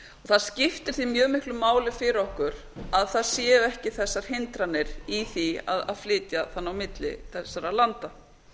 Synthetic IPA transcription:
ɔθaðscɪft̪ɪ̥θimjœːɣmɪhklʏmaːwlɪfɪɾɪɔhkʏɾ̥ | aðθaðsjɛːʏɛhcɪθɛsːaɾ̥hɪnt̪ɾanɪɾ̥iθia̰ða̰ðflɪːt̪jaθanːawmɪt̪lɪ̰θɛsːaɾalant̪a

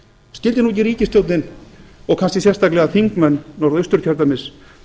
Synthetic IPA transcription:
scɪlt̪ɪnuːɛc̬ːɪɾiːcɪst̪jowt̪nɪnɔɣkʰanscɪsjɛrst̪aklɛɣaθiŋkmɛnːɔɾðʏst̪ʏɾ̥t̪jœɾt̪amɪs

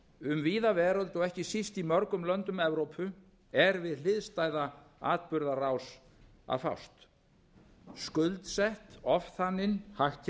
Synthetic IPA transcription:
ʏmviːðavɛːɾɔlt̪ɔɣɛhcɪsist̪imɔɾkʏmlœnt̪ʏmɛvɾowpʰʏ | ɛɾvɪðlɪðst̪aːjðaa̰ːt̪̚pʏɾðaraːws | a̰ðfa̰wst̪ | skʏlt̪sɛht̪ɔfθanːɪnhahc

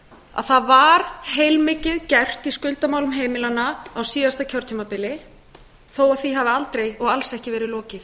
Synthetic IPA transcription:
a̰ðθaðvaɾ̥hejlmɪːcɪðcɛr̥t̪iskʏlt̪amaːwlʏmɦeːjmɪlanːaːawsiːðast̪acʰɔwɾ̥t̪ʰiːmapɪlɪ | θowaθiɦavɪalt̪ɾejɔɣalsɛhcɪvɛːɾɪlɔːcɪθ

